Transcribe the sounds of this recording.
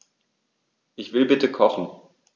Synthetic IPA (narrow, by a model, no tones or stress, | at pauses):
ʔɪçv̥ɪlbɪtəkʰɔχn̩